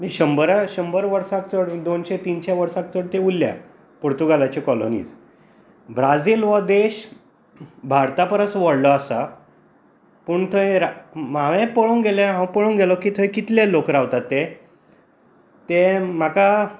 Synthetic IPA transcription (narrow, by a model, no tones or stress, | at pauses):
miɕəmbəɾaɕəmbəɾʋəɾsak̚t͡səɽd̪onɕet̪iːnɕeʋəɾsãk̚t͡səɽt̪eulːja̰ | puɾt̪uɡalat͡ɕekɔlo̰nḭːd͡z | bɾad͡ziːlʋəd̪eɕ | bʱaɾt̪apəɾəsʋəɽlɔasa | puːɳt̪ʰəeɾamaʋẽpəɭuːŋɡelãɦãpəɭũnɡʱelɔkiːt̪ʰəkit̪lãlokɾaʋt̪at̪ːe | t̪em̤aka